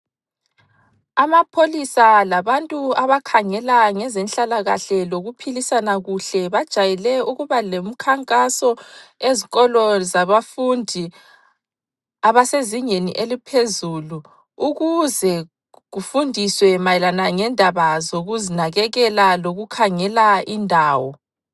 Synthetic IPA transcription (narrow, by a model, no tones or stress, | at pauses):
amapʰolisalaβantʼuaβakʰaŋɛlaŋɛzɛnɬalaɣaɬɛloɣupʰilisanaɣuɬɛβad̥ʒ̥ʱajɛlɛuɣuβalem̩kʰaŋkʼasɔeziɣɔlɔzaβafundʱi | aβaseziŋeniʔelipʰezulu | uɣuzɛ | ɣufundʱiswɛmajɛlanaŋɛndʱaβazoɣuzinaɣɛɣɛlaloɣukʰaŋɛlaindʱaːwɔ̰